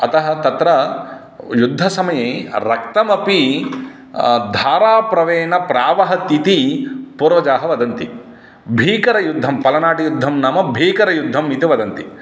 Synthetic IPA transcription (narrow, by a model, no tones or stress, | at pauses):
ɐt̪ɐɦɐ̆t̪ɐt̪ɾɐ | jud̪ʱːɐsɐmɐjeːɾɐkt̪ɐmɐpi | d̪ʱaːɾaːpɾɐʋeːɳɐpɾaːʋɐɦɐt̪it̪ipuːɾʋɐd͡ʒaːɦɐʋɐd̪ɐnt̪i | bʱiːkɐɾɐjud̪ʱːɐmpɐlɐnaːʈijud̪ʱːɐmnaːmɐbʱiːkɐɾɐjud̪ʱːɐmit̪iʋɐd̪ɐnt̪i